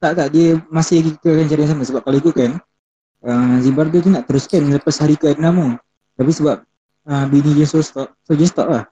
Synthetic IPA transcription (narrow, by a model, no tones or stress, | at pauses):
t̪aʔt̪aʔdiəmasɪaɡikəkant͡ʃaɾias̬amasəbaʔ̚kalikukan | əmzimbard̪ut̪uŋaʔt̪əɾʊskanləpashaɾikəadnamu | t̪apisəbaʔ̚ | əbinid͡ʒəsost̪ɔʔ̚sod͡ʒəst̪ɔ̰ʔlah